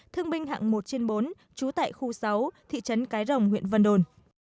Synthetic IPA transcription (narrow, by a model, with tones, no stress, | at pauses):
t̪ʰɨ˧əŋɓï˧ŋ̟ɦa̰ː˧˨ŋmo˨˩t̚t͡ɕe˧nɓo˨˦n | t͡ɕu˨˦t̪a̰ː˧˨jxu˧sa˨˦wt̪ʰḭ˧˨t͡ɕə˨˦nkaː˨˦jzə˨˩wŋ͡mɦwḭ˧˨ənvə̰˧˩nɗo˨˩n